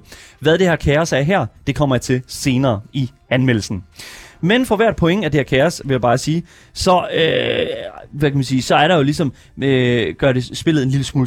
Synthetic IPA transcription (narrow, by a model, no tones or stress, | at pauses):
ʋæðˠd̥e̝hæɐ̰kʰæːɐsæɐɦæɐ̰d̥e̝kʰɒ̽m̰ɐjt͡sʰe̝lse̝ːnɐːi | ænmel̰l̩sn̩menfɒ̽ʋæɐ̰d̥̚pʰɒ̽eŋæd̥e̝hæɐkʰæːɐsʋe̝ljabɑ̈ːsiː | sɒ̽ø | ʋækʰæmænsiːsɒ̽æɐɾɑ̈jo̝lisɒ̽m | øɡ̥ɶɐɾe̝sb̥e̝l̰ð̩ˠe̝nliləsmuːl